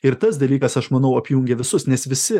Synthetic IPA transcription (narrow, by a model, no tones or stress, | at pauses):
ɪɾt̪ɐsd̪ɐlʲiːkɐsɐʃmɐnɐʊɐpʲjʊŋʲɡʲɛʋʲɪsʊsnʲɛsʋʲɪsʲɪ